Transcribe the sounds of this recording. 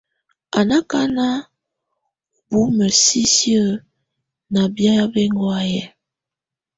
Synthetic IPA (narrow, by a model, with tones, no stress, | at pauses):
a˨na˦ka˦na˦ | bu˨˦mə˨si˦sjə˦˨ | na˨bja˦ja˦be˦ŋɡwa˦jɛ˨